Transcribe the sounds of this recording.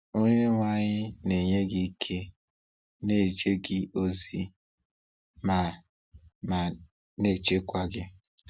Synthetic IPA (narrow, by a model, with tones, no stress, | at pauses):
o˦ɲe˦ŋʷa˦ɲɪ˦ne˨ɲe˦ɡɪ˦i˦kʰe˦ | ne˦˨t͡ʃe˦ɡɪ˦ʔo˦zi˦˨ | ma˨ | ma˨ | ne˦˨t͡ʃe˦kʷa˦ɡɪ˦